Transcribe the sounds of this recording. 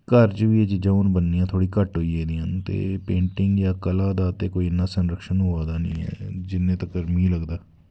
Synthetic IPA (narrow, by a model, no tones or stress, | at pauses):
kəɾt͡ʃʋiːɛd͡ʒd͡ʒəʊnbənːiːãːt̪ʰoːɽiːkəʈɦoːiːeːd̪iːənt̪ḛːpẽːɳʈɪŋɡjaːkəlaːd̪aːt̪eːkoːiːɪnːaːsənɾəkʃənɦoːaːd̪aːnəḭ̃ːɛ̰ːd͡ʒɪnːẽːt̪əkːəɾmiːləɡd̪aː